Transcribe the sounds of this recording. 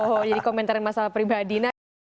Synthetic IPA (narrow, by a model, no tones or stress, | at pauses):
ɦɔd͡ʒadikomɛnt̪aɾɪnmasalahpɾibadina